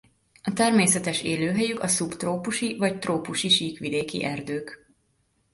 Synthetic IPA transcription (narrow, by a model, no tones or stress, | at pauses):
ɒt̪ɛrmeːsɛt̪ɛʃeːløːɦɛjykɒsupt̪roːpuʃivɒct̪roːpuʃiʃiːkʋid̪eːkḭʔɛrd̪øːk